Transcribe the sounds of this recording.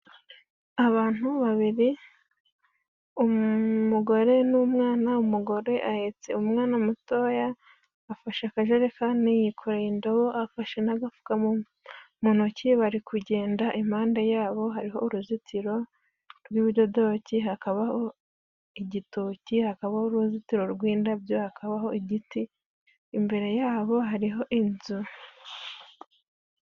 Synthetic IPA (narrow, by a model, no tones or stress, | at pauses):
aβaːn̥uβaβiɾi | umuɡo̞ɾe̞numŋaːnaumuɡo̞ɾe̞ʔahet͡se̞̰umŋaːnamuto̞jaː | faʃakaʒeɾekanijikʰoɾaindo̞βoʔafaʃenaɡafu̥ka | munociβaɾikʰuɟe̞ːndaʔim̥aːndajaːβo̞ɦaɾiɦo̞uɾuzitʰiɾo̞ | ɾɡwiβiɾɟodo̞ːciɦakaβaho̞ | iɟitocihakaβauɾuzitiɾo̞ɾɡwiːndabjo̞hakaβaɦo̞iɟitiː | mbe̞ɾe̞jaːβo̞ɦaɾiɦo̞ʔinzu